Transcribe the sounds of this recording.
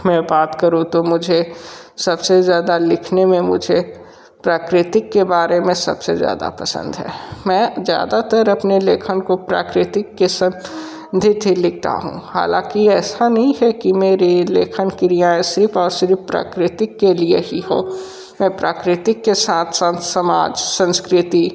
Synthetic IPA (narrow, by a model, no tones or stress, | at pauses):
mɛ̃baːt̪kɐɾũt̪omʊd͡ʒʱesɐbsezjaːd̪alɪkʰnemẽmʊ̰d͡ʒʱe | pɾaːkɾɪt̪ɪkːebaːɾemẽsɐ̰bsezja̰ːd̪a̰pɐsə̰̃nd̪ɦɛ̰ːmɛ̃ːzja̰ːd̪at̪əɾɐpneleːkʰənkopɾa̰ːkɾɪt̪ɪkːesə̃m | d̪ʱɪd̪ʱilɪk̚ʰt̪a̰ɦṵ̃ha̰ːlã̰ːkiɛːsanɐɦĩɦɛkimeːɾelḛːkʰənkɪɾijaẽsɪɾfʰɔːɾsɪɾfpɾa̰ːkɾɪt̪ɪkːelieɦiɦo̰ː | mɛ̃pɾaːkɾɪt̪ɪkːesaːt̪ʰsaːt̪sɐma̰ːd͡ʒsə̃nskɾɪt̪i